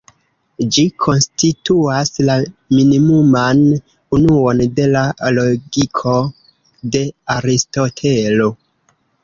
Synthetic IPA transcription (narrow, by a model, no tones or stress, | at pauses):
d͡ʒikʰonstituaslaminimuman | unuonde̞laloɡikʰo̞ | de̞aɾisto̞tʰelo̞